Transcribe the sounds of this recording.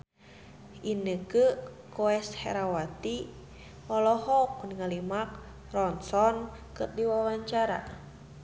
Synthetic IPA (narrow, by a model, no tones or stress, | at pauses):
inəkə | kɔɛshɛ̰ɾawat̪i | ɔlɔhɔk̚uniŋalimak̚ | rɔnsɔn | kɨrdiwawaɲt͡ʃaɾa̰